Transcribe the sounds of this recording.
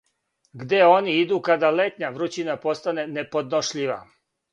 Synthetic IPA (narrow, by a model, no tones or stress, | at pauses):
ɡd̪e̞o̞niid̪uːkad̪ale̞t̪ɲaʋɾut͡ɕinapo̞st̪ane̞ne̞po̞d̪no̞ʃʎiʋa̰